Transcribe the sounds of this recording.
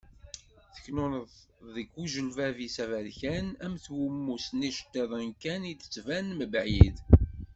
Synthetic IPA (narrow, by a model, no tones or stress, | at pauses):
θə̥çnʊnəð | ðəɡuʒəlvævisævælçænæmθwumːusniʃə̥t̪ːeðˤənkænid̪ə̥t͡sːvænməbʕjið